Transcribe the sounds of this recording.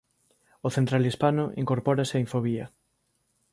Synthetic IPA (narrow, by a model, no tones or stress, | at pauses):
oθent̪ɾalispanʊʔḭŋkoɾpɔɾaseiɱfoβ̞iɐ